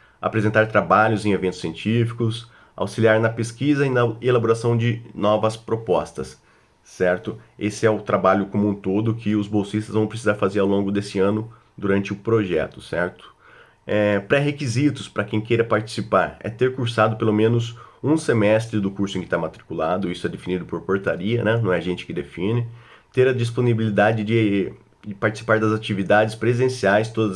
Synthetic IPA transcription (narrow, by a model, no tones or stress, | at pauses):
a̰pɾezẽnt̪aɾt̪ɾabaʎʊzẽevẽnt̪ʊ̥siẽnt͡ʃifi̥kʊs | a̰wsiliaɾnɐpeskizɐɪnɐelaboɾasɐ̃w̃d͡ʒɪnɔvɐspɾopɔst̪ɐsː | ɛɾt̪ʊesɪɛʊt̪ɾabaʎʊkomũt̪od̪ʊkʰɪʊzbowsist̪ɐzvɐ̃w̃pɾesizaɾfazeɾawlõɡʊd̪esɪɐ̃nʊ | d̪uɾɐ̃nt͡ʃɪʊpɾoʒɛ̰t̪ʊ̥sɛɾt̪ʊ̥ | ɛpɾɛɦekizit̪ʊspɾɐkẽj̃kejɾɐpaɾt͡ʃi̥sipaɾɛ̰t̪eɾkuɾsad̪ʊpelomẽnʊzũsemɛst̪ɾɪd̪ʊkuɾsʊẽkɪ̥t̪amat̪ɾikulad̪ʊisʊɛd̪efinid̪ʊpoɾpoɾt̪aɾiɐnɛnɐ̃w̃ɛʒẽnt͡ʃɪ̥kɪd̪efĩnɪ | t̪eɾɐd͡ʒis̬ponibilid̪ad͡ʒɪd͡ʒɪ | d͡ʒɪpaɾt͡ʃi̥si̥paɾd̪ɐzat͡ʃivid̪ad͡ʒɪspɾezẽsiajst̪od̪ɐz